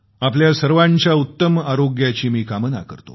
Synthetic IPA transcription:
apljasəɾʋãɲt͡ɕjaut̪ːəmaɾoɡjat͡ɕiːmiːkaməna̰kə̰ɾt̪o̰

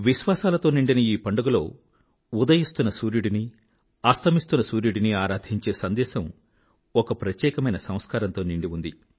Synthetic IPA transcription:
ʋiʃʋaːsaːlɐt̪o̞ːniɳɖinɐiːpɐɳɖɐɡulo̞ː | ud̪ɐjist̪unːɐsuːɾjuɽini | aːst̪ɐmist̪unːɐsuːɾjuɽiniaːɾaːd̪ʱiɲt͡ʃe̞ːsɐnd̪ɛːʃɐm | ɔkɐpɾɐt̪jɛːkɐmɐjnɐsɐ̃m̃skaːɾɐnt̪o̞ːniɳɖiund̪i

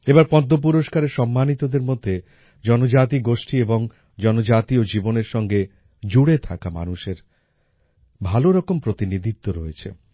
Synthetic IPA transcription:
ebaɾpɔd̪ʱːop̬uɾoʃkaɾeɾʃɔmːanit̪od̪eɾmod̪ʱːe | d͡ʑɔnod͡ʑat̪̬iɡoʃʈieboŋ | d͡ʑɔnod͡ʑat̪iod͡ʑiboneɾʃɔŋɡe | d͡ʑuɽet̪ʰakama̰nuʃeɾ | bʱaloɾɔkompɾot̪inid̪ʱit̪ːoɾɔet͡ɕʰḛ

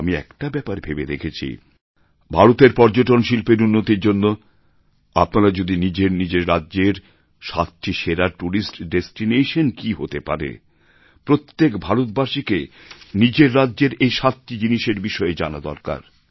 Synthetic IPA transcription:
amiɛ̰kʈabɛpaɾbʱebed̪ekʰet͡ɕʰḭ | bʱaɾot̪eɾpɔɾd͡ʑoʈonʃilpeɾunːot̪iɾd͡ʑonːo | apnaɾad͡ʑod̪inid͡ʑeɾnid͡ʑeɾɾadːʑeɾ | ʃat̪ːiʃeɾaʈuɾisʈɖesʈineʃonkiɦo̰t̪epa̰ɾḛ | pɾot̪ːekbʱaɾot̪̚baʃikenid͡ʑeɾːadːʑeɾejʃat̪ːid͡ʑiniʃeɾbiʃɔed͡ʑanad̪ɔɾka̰ɾ

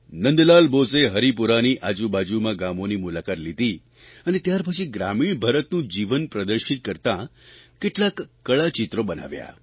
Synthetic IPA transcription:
nənd̪lalboseɦəɾipuɾaniʔad͡ʒubad͡ʒumãɡamonimulakat̪lit̪i | ənet̪jaɾpət͡ʃʰiɡɾamiɳbʱaɾət̪nũd͡ʒiʋənpɾəd̪əɾʃit̪̚kəɾt̪ãkeʈlakːəɭat͡ʃit̪ɾobəna̰ʋja̰

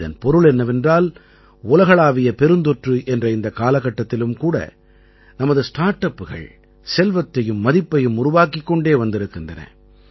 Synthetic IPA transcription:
ðɐ̰npɔɾɯɭɛnːɐʋɛndraːl | ʊlɐɣɐɭaːʋɪjɐpɛɾɯnd̪ɔʈrɯʔɛndrɐɪnd̪ɐkaːlɐɣːɐʈːɐt̪ːɪlɯmkuːɽɐ̰ | nɐmɐðɯsʈaːɾʈɐpːɯɣɐ̰ɭ | sɛlʋɐt̪ːɐjɯmːɐðɪpːɐjɯmʊɾʊʋaːkɪkːɔɳɖeːʋɐnd̪ɪɾɯkːɯndrɐnɐ̰

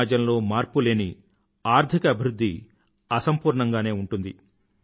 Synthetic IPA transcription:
d͡ʒɐmlo̞ːmaːɾpule̞ːni | aːɾt̪ʰikɐːbʱiɾud̪ʱːi | ɐsɐmpuːɾɳɐŋɡaːne̞ːuɳʈund̪i

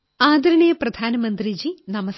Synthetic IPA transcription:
aːd̪ɐɾɐɳɐjɐprɐd̪ʱaːnɐmɐnd̪rid͡ʑinɐmɐs

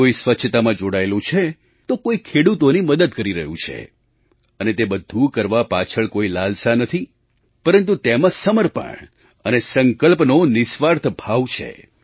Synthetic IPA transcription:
oisʋətːʃʰt̪amãd͡ʒoɽaelũt͡ʃʰe | t̪okoikʰeɽut̪oniməd̪əd̪kəɾiɾəɦũt͡ʃʰḛ | ənet̪ebəd̪ʱũkəɾʋapat͡ʃʰəɭkoilalsanət̪ʰi | pəɾənt̪ut̪emãsəməɾpə̰ɳ | ənesəŋkəlpnonɪsʋaɾt̪ʰbʱaʋt͡ʃʰḛ

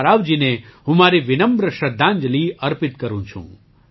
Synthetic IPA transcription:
ɾaːʋd͡ʒineɦũmaːɾiʋɪnəmbɾəʃɐd̪ʱːãːnd͡ʒəliːɐɾpɪt̪kɐɾũt͡ʃʰṵ̃ː

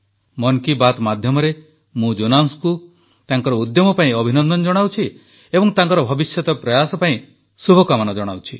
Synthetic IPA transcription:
mɔŋkibat̪mad̪ʱjɔmɔɾe | mũd͡ʒonansku | t̪aŋkɔɾɔud̪jɔmɔpaĩɔbʱinɔnd̪ɔnɔd͡ʒɔɽ̃awt͡ʃʰi | ebɔŋt̪aŋkɔɾɔbʱɔbisjɔt̪ɔpɾɔjasɔpaĩ | subʱɔkamanɔd͡ʒɔɽ̃a̰wt͡ʃʰi

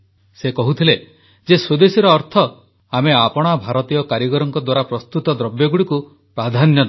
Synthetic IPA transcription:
sekɔɦut̪ʰile | d͡ʒesod̪esiɾɔːɾt̪ʰɔ | ameapɔɽ̃abʱaɾɔt̪ijɔkaɾjɔɡɔɾɔŋkɔd̪waɾapɾɔst̪ut̪ɔd̪ɾɔbjɔɡuɽiku | pɾad̪ʱanjɔd̪

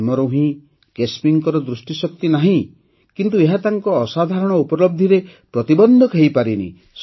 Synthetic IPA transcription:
mɔɾowɦĩ | kespiŋkɔɾɔd̪ɾusʈisɔk̚t̪inaɦĩ | kint̪̬ueɦat̪aŋkɔːsad̪ʱaɾɔɽ̃ɔupɔɾlɔb̚d̪ʱiɾe | pɾɔt̪ibɔnd̪ʱɔkʰejpaɾinḭ | s

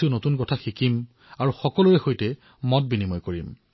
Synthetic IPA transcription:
ʊnotunkɔtʰaxikim | aɹuxɔkɔluɹɛxojtɛ | mɔt̚binimɔjkoɹḭm

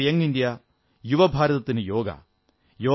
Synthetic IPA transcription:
jɐŋɡind̪ija | juʋɐbʱaːɾɐt̪ɐt̪ːinɨjoːɡɐ̰ | joː

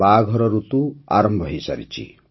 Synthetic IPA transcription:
baɡʱɔɾɔɾut̪ua̰ɾɔmbʱɔɦisa̰ɾḭt͡ʃʰḭ

